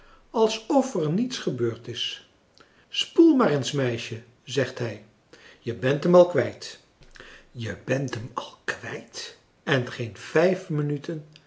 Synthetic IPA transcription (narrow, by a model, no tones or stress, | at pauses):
ɑlˠsɔfərnitsχəbøːɹtɪs | spulˠmaːrənsmɛjʃə | zɛχtɦɛj | jəbɛntəmɑlˠkʋɛjt | jəbɛntəmɑlˠkʋɛjt | ɛnχejnv̥ɛjfmənytən